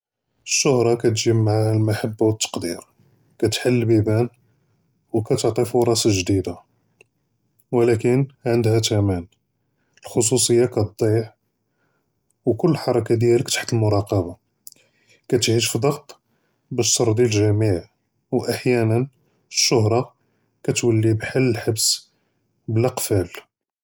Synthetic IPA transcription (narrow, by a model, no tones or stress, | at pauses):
əʃːʊhɾˤɑkæt̪ʒəmːaʕahælmaħabːawət̪ːɑ̥qd̪iɾ | kæt̪ħəlːbibæn | wkæt̪əʕt̪ˤifuɾˤɑsaʒd̪id̪a | wlækənʕənd̪hæt̪æmæn | əlxos̬usˤəjːakæt̪̚d̪ˤiħ | wkʊlːəħɑɾˤɑkad̪jæləkt̪ḁħt̪əlmʊɾˤɑqɑba | kæt̪ʕiʃfid̪ˤɑɡt̪ˤ | bæʃsˤɑɾˤd̪jælʒæmiʕ | wʔaħjænən | əʃːʊɦɾˤɑ | kæt̪wəlːibħalːəlħabs | blæqfæl